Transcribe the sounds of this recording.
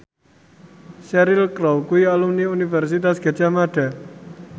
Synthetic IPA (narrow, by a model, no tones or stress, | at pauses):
ʃɛɾilkɾɔwkuialumniunifɛrsit̪asɡ̥a̤̥d͡ʒ̥amaɖ̥a̤